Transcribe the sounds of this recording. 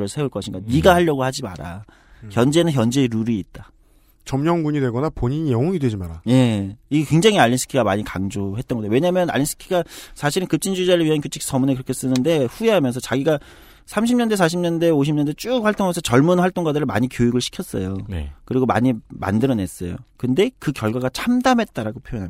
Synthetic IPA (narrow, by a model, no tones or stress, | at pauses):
ɾɯɭsʰe̞uɭk͈ʌɕʰiŋɡaniɡahaʎːʌɡohad͡ʑima̰ɾa̰ | çjʌnd͡ʑenɯnçjʌnd͡ʑe̞ɾuɾiːt̚t͈a | t͡ɕʌmɲʌŋɡuɲidwe̞ɡʌnapoɲiɲijʌŋʌŋidwe̞d͡ʑimaɾaje̞iɡekwe̞ŋd͡ʑaŋɦiaʎːinsʰɯ̥kʰiɡamaɲikaŋd͡ʑoɦe̞t̚t͈ʌnɡʌdjowe̞ɲamjʌna̰ʎːis͈ʰɯ̥kʰiɡasʰaɕʰiɾɯnkɯp̚t͡ɕ͈ʰind͡ʑud͡ʑaɾɯɭɥiɦankjot͡ɕʰi̥ksʰʌmune̞kɯɾʌkʰes͈ɯnɯnde̞ɸueɦamjʌnsʰʌt͡ɕaɡiɡa | sʰamɕʰimɲʌnde̞sʰaɕ̬ʰimɲʌnde̞oɕ̬ʰimɲʌndet͡ɕ͈uk̚ɸwaɭt͈oŋamjʌnsʰʌt͡ɕʌɭmunɸwaɭt͈oŋɡwadɯɾɯɭma̰ɲikjojiɡɯɭɕʰi̥kʰjʌs͈ʌjonḛkɯɾiɡoma̰ɲima̰ndɯɾʌne̞s͈ʌ̰jo̰kɯnde̞kɯkjʌɭɡwaɡat͡ɕʰamdamɦe̞t̚t͈aɾaɡopʰjojʌnɦam